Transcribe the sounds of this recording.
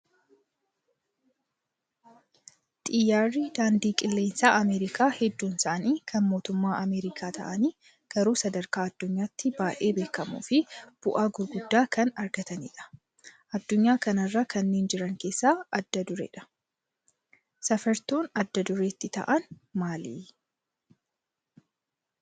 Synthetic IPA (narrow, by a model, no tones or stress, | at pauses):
t̪ʼɪjːaːriːd̪aːnd̪iːkʼɪlːe̞ːnsaːʔɐmeːɾɪkaːhɛd̪ːuːnsaːɐniːkʰɐnmo̞ːt̪ʊmːaːʔɐmeːɾɪkʰaːt̪ʰɐ̰ʔɐniː | ɡ̥ɐɾuːsɐd̪ɐɾkaːɐd̪ːʊɲːaːt̪ːɪbaːʔe̞ːbe̞ːkːɐmṵːfɪb̥ʊʔaːɡʊɾɡʊd̪ːaːkʰɐnɐɾɡɐt̪ɐnḭːᶑɐ̥ | ʔɐd̪ːʊɲːaːkɐnɐrːaːkʰɐnːeːnd͡ʒɪɾɐŋkeːsːaːɐd̪ːɐd̪ʊɾḛːᶑɐ̥ | sɐfɛɾt̪oːnɐd̪ːɐd̪ʊɾeːt̪ːɪt̪ɐ̰ʔɐnmaːlḭː